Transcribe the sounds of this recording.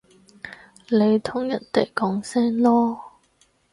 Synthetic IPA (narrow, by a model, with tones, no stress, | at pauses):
le˨˧jt̪ʰʊ˥ŋjɐ˨˩nt̪e˨˩jkɔː˨˥ŋsɛː˥nlɔː˥